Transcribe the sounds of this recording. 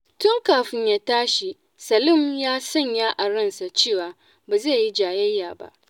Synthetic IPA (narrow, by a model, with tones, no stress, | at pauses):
tʊ˦ŋkaː˨ɸɪ˦ɲjaː˦taː˦ʃi˨ | sɐ˨lʊ˦˨mjaː˦sɐ˦˨ɲjaː˦ʔa˨ɽɐ˦˨nsa˨t͡ʃeː˦˨waː˨ | baː˨ze˦˨ji˦d͡ʒaː˨jɐ˦jːaː˨ba̰˦ʔ